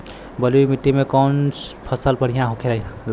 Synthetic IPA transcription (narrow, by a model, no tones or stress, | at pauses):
bəlujmit̪ːimekənspʰəsəlpəɽ̤ijãɦokʰelanl